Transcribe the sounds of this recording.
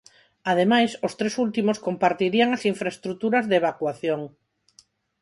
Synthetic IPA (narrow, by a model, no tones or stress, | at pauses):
að̞emajsost̪ɾesult̪imoskompaɾt̪iɾiaŋasiɱfɾaest̪ɾut̪uɾɐzðeβakwaθjoŋ